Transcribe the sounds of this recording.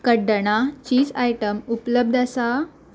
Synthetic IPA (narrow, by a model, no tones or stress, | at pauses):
kəɖəɳ̃at͡ɕiːd͡zajʈəmupləb̚d̪ʱasa